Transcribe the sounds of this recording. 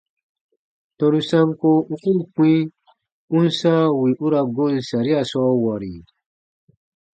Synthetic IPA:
to˧ɾu˧sa˦mko˦u˦ku˦nkĩ˦ | u˦nsã˦wi˨ʔu˦ɾa˧ɡo˦n˨sa˨ɾi˦a˨sɔ˦wa˨ɾi˨

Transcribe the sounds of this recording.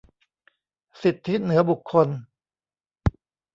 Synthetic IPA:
si˨˩t̪ʰːi˦˥nɯ˩˦ɐbu˨˩kʰːo˧n

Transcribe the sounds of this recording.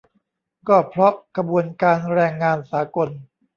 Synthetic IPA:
kɔː˥˩pʰɾɔ˦˥ʔkʰa˧bu˧ənkaː˧nɾɛː˧ŋːaː˧nsaː˩˦ko˧n

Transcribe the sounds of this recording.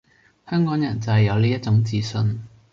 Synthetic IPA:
hœː˥ŋkɔː˨˥ŋjɐ˨˩nt͡sɐ˨hɐ˨jɐ˨˧wliː˥jɐ˥t̚t͡ʃʊ˨˥ŋt͡siː˧sɵ˧n

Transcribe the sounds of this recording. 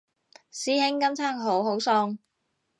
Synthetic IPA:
siː˨˥hɪ˨˥ŋkɐ˥mt͡sʰaː˥ŋɦo˨˥wɦo˨˥wsɔː˧ŋ

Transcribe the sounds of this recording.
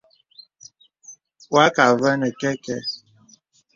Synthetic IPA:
wa˦ka˨və˦nɛ˨kɛ˦kɛ˦

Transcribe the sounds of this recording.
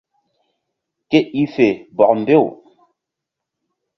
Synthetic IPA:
ke˦ʔi˦fe˨bɔ˨k̚m̩˨be˦˨w

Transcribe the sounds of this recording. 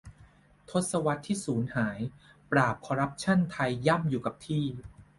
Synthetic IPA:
t̪ʰo˦˥t̪̚sa˧wa˦˥t̪ʰːiː˥˩suː˩˦nhaː˩˦j | pɾaː˨˩p̚kʰɔː˧ɾa˦˥p̚t͡ɕʰa˥˩nt̪ʰa˧jːa˥˩mjuː˨˩ka˨˩p̚t̪ʰiː˥˩

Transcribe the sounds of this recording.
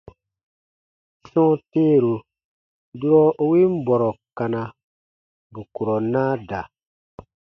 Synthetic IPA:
sɔ̃˦teː˦ɾu˨ | du˦ɾɔ˦ʔo˦wi˦m̩˦bɔ˨ɾɔ˨ka˨na˨ | bu˨ku˨ɾɔ˨naː˦da˨

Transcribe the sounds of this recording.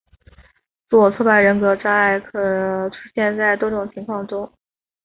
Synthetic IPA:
t͡su˥˩wɔ˨˩t͡sʰwɔ˥˩pa˥˩ɪɻə˧˥nkɤ˧˥ʈ͡ʂa˥a˥˩ɪkʰɤ˨˩˦ʈ͡ʂʰu̥˥ɕjɛ˥˧nt͡sa˥˩ɪt̪wɔ˥ʈ͡ʂʊ˨˩ŋt͡ɕʰi˧˥ŋkʰwɑ˥˩ŋʈ͡ʂʊ˥ŋ

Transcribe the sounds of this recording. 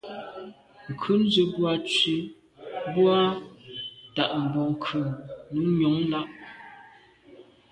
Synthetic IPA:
ŋ̩˨kʰʉ˦n̩˦zə˨bwa˦t͡ʃɥi˦ | bwa˦ | ta˨ʔm̩˨bɔ˨ŋ˨kʰʉ˨nu˨˦ɲɔ˨˦ŋla˦ʔ

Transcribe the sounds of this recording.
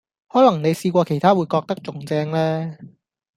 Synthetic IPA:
hɔː˨˥lɐ˨˩ŋne˨˧jsiː˧kʷɔː˧kʰe˨˩jt̪ʰaː˥wuː˨˧jkɔː˧k̚t̪ɐ˥k̚t͡sʊ˨ŋt͡sɛː˥ŋlɛː˥

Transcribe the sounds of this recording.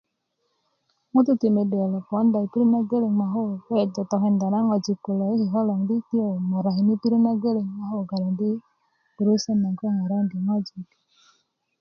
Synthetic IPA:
ŋo˦tu˦ti˨me˨de˨ɔ˨lɔ˨kɔ˨˦n˦da˨i˨pi˦ɾi˦na˦ɡe˦le˨ŋ˨ma˨ɦo˦˨ɛ˦˨dɔ˨tɔ˨ɦe˨n˨da˨na˦ŋɔ˨d͡ʒi˨ku˨lɔ˨˦e˦hi˨ɦɔ˦lɔ˨ŋ˨di˦ti˦o˨ma˨ɾa˨ɦi˨ni˦pi˦ɾi˦na˦ɡe˦le˨ŋma˨ɦo˦˨ɡa˨ɾa˨ndi̥˦ | u˨ɾu˦sa˦na˨ŋkɔ˦ŋa˨ɾa˦ndi˨ŋɔ˦d͡ʒi˨k

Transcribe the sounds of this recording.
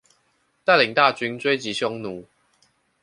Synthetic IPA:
t̪a˥˩˨li˨˩ŋt̪a˥˨t͡ɕy˧˦nt͡swe˥˦ɪt͡ɕi˨˦ɕjɔ˧˦ŋnu˨˦

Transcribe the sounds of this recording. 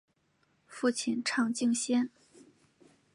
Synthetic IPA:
fu˥˩t͡ɕʰi˥˩nʈ͡ʂʰɑ˥˧ŋt͡ɕi˥˧ŋɕjɛ˥n

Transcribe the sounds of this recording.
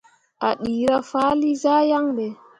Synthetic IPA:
ʔa˨ɗiː˨ɾa˦faː˦li˦za˦ja˦ŋdɛ˨

